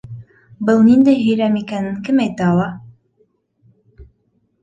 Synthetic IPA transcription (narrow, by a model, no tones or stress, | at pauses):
bɤlˠnind̪æjɦɵ̆jɾæmikænɘnkɘmæjt̪æɑwˠɑ